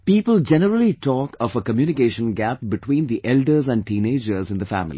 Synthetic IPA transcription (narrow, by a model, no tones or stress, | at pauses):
piːpəld͡ʒɛnəɾəliʈɔːkɔfəkəmjuːnɪkeːʃə̃nɡæp̚bɪʈwĩːnd̪iʔɛlɖəɾzæ̃nɖ̚ʈĩːneːd͡ʒəɾzɪ̃nd̪əfæ̰mɪlḭ